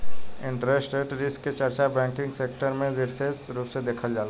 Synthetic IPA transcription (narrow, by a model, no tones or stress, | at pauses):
ɪɳʈɾesʈeɖɾɪskːet͡ʃəɾt͡ʃabɛ̃ːŋkɪ̃ŋɡsek̚ʈəɾmẽʋeɾsesɾupsed̪eːkʰəld͡ʒaːl